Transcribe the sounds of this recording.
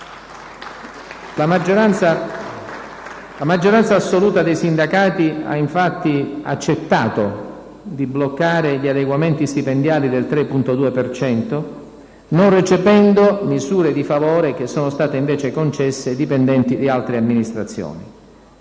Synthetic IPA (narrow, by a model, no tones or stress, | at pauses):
laa | lamad͡ʒːoɾant̪saːsːoluːt̪ad̪ejsind̪akaːt̪ia̰iɱfat̪ːia̰t͡ʃːet̪ːaːt̪o | d̪iblokːaːɾeʎiad̪eɡwament̪ist̪ipend̪jaːlid̪elt̪ɾepːunt̪od̪uːepert͡ʃɛnt̪o | nonret͡ʃevɛnd̪omizuːɾed̪ifavoːɾek̟esːɔːnost̪aːt̪eiɱveːt͡ʃekont͡ʃɛsːed̪ipɛnd̪ɛnt̪id̪ialt̪ɾeamːinist̪ɾat̪sːjo̰ːni